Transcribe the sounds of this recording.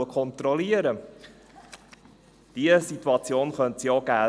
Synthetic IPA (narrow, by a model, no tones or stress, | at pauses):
əkʰɔnt̪ɾɔliəɾə | d̥iəsituɑt͡sjoːnχœntsioɡæː